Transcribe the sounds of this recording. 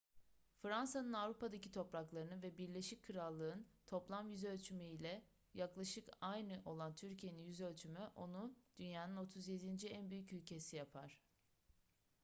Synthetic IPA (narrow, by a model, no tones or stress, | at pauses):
fɾansanɯnavɾupad̪acit̪ʰo̞pɾaklˠaɾɯnɯvɛbiɾlʲe̞ʃickʰːɯɾalˠːɯːɯnt̪ʰo̞plˠamjyzølʲt͡ʃʰymeilʲɛ | jaklˠaʃɯkajnɯʔo̞lˠant̪ʰyɾcʰije̞ninjyzø̞lʲt͡ʃʰymyʔo̞nud̪̥ynjaːnɯno̞t̪ʰuzjed̪ind͡ʒiænbyjycylʲcʰe̞sijapʰaɾ̝̥